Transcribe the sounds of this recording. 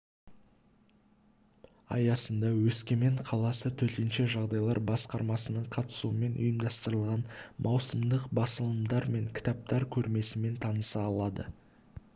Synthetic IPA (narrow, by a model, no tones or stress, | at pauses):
ɑ̰jɑsənd̪ɑwɵskʲe̞me̞ɴqʰɑlˠɑsət̪ʰɵt̪enʃe̞ʒɑʁd̪ɑjlˠɑɾbɑsqɑɾmɑsənəɴqʰɑt̪ə̥suwəme̞nʔʊ̰jəmd̪ɑst̪əɾəlˠʁɑnmʔɑwsəmd̪əqbɑsəlˠəmd̪ɑɾme̞ŋkʲʰɪ̥t̪ɑp̚t̪ɑɾkʲʰɵɾme̞sɪme̞nt̪ʰɑnəsɑːlˠɑd̪ə̰